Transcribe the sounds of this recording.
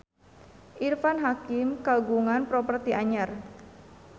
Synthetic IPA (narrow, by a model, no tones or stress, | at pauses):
ʔirfanɦakimkaɡuŋanpɾɔpərt̪iʔaɲar